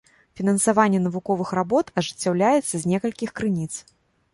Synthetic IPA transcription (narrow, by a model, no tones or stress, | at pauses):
fʲinɐnsavanʲːɛnɐvukɔvɨxɾabɔt̪ɐʐɨt͡sʲːawlʲajɛt̪sːɐzʲnʲɛkɐlʲkʲixkɾɨnʲit̪s